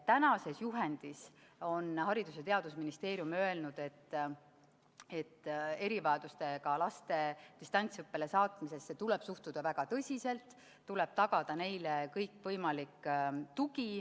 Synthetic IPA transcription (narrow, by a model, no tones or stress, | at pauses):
t̪ænɑse̞sjuɦe̞nd̪̥is | o̞nhɑɾid̪uset̪e̞ɑd̪̥usminist̪e̞ːɾjumø̞e̞lnud̪̥e̞t̪ː | e̞t̪ːe̞ɾivɑed̪̥ust̪e̞kɑlɑst̪e̞d̪ist̪ɑnʲt̪sɤpːe̞le̞sɑːt̪mise̞stːet̪uleb̥suht̪ud̪̥ɑvæɡ̥ɑt̪ɤsʲise̞lt̪ː | uleb̥̚t̪ɑɡ̥ɑd̪̥ɑne̞jlekɤjkːˑvɤjmɑlikːt̪uɡi